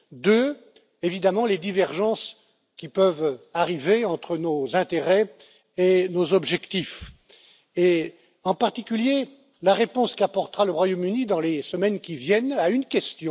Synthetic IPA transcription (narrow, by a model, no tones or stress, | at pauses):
d̪ø | evid̪amɑ̃led̪ivɛʁʒɑ̃s | kʲipœvaʁiveɑ̃t̪χənozɛ̃t̪eʁɛ | enozɔbʒɛkt̪if | e | ɑ̃paʁt̪ikʲylje | laʁepɔ̃skiapɔʁt̪əʁaləʁwajomynid̪ɑ̃lesəmɛnkʲivjɛnaynkʲɛst̪jɔ̃